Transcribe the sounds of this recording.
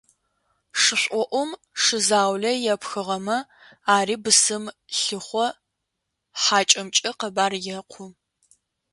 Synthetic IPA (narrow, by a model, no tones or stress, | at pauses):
ʂɨɕʷʼɔʔʷɔm | ʂɨzaːwɮɐjɛpxɨʁɐmɐ | aːriːbɨsɨmɬɨχʷɔ | ħaːt͡ʃʼɐmt͡ʃʼɐqɐbaːrjɛqʷʰʊ